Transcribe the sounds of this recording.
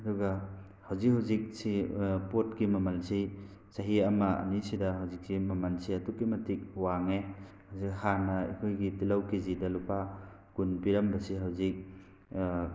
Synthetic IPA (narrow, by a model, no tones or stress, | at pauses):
ɐdɔɡɐ | hawzik̚ɦawzik̚sipot̚kimɐmɐlsi | sɐɦiɐmɐɐ̰nisidɐɦawzik̚simɐmɐlsiɐtukːimɐtik̚waŋe | hawzikhanɐḛkʰojɡitilɐwkizidɐlupʰa | ɡ̥unpiɾɐmbɐsiɦawzik̚